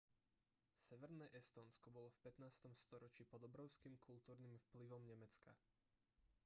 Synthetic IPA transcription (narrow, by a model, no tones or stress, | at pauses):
sɛʋɛɾnɛʔɛst̪ɔːnskɔbɔlɔfpɛt̪naːst̪ɔmst̪ɔɾɔt͡ʃipɔd̪ɔbɾɔʊskimkʰult̪uːɾnimfpliʋɔmɲɛmɛt͡ska